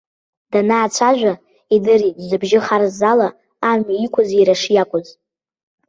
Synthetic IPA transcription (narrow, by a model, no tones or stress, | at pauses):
d̥anaːt͡ʃʷʰaʒᶣʷa | idɨritʼzɨbʒɪχarzalaː | miikʷʰʊziɾaʂjakʷʼʊz